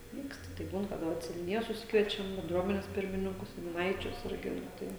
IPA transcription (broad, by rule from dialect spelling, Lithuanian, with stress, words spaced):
ˈʋʲiːkst tɐɪ ˈbuːn kɐˈdɐ ʋɐt sʲɛnʲʊˈnʲɪjoːs sʊˈsʲɪkʋʲiɛt͡ʃʲɛm bʲɛnˈdruɔmʲɛnʲeːs ˈpʲɪrʲmʲɪnʲɪŋkʊs sʲɛnʲʊˈnɐɪt͡ʃʲʊs ˈɪrʲɡʲɪ nʊ ˈtɐɪ